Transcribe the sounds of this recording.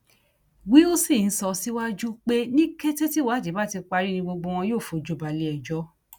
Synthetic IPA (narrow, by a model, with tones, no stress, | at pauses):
wi˨˦o˦si˦˨n̩˦sɔ˧si˦wa˦d͡ʒu˦k͡pe˦nĩ˦kɛ˦te˦ti˦wa˨˦d͡ʒe˨˦ba˦˨ti˧k͡pa˧ɾi˦nĩ˧ɡ͡bo˧ɡ͡bo˧w̃ɔ̃˧joː˦˨fo˨˦d͡ʒo˨˦ba˨li˧˦ɛ˨d͡ʒɔ˦